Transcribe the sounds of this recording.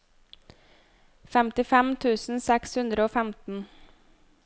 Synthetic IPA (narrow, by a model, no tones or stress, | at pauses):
fɛmt̪ɪfɛmt̪ʰʉːsn̩sɛkshʉnd̪ɾəoːfæmt̪n̩